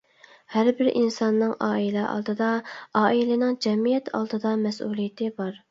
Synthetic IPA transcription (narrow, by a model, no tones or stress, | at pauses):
hæɾbɪɾʔḭnsɑnːɨŋʔɑːilɛʔɑ̰lˠd̪ɨd̪ɑɑːilɪnɪŋd͡ʒɛmijɛt̪ʰɑ̰lˠd̪ɨd̪ɑmɛsulˠijɪt̪ʰɪbɑɾ